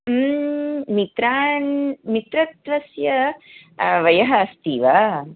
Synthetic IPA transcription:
mit̪ɾaːnmit̪ɾɐt̪ʋɐsjɐ | ʋɐjɐɦɐst̪iːʋaː

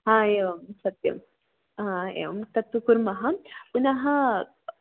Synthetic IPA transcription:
ɦãːeːʋɐmsɐt̪jɐ̰m | ɦãḛːʋɐ̰mt̪ɐt̪ːukuɾmɐɦɐpunɐɦɐ

